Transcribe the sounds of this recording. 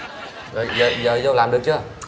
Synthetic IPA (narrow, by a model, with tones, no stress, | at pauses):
zo˨˩jzəː˨˩zəː˨˩zə˧wlaː˨˩mɗɨ˨˩ək̚t͡ɕɨ˧